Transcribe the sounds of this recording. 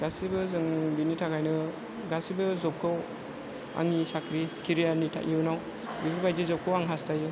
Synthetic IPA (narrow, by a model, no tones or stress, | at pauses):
ɡasibɯzɯŋbinitʰakʰajnɯ | ɡasibɯzɔp̚kʰɯw | a̰ŋisakʰɾikʰiɾijanitʰa̰ʔiwnaw | bibʰɯɾbajdizɔp̚kʰɯwaŋɦastʰajɯ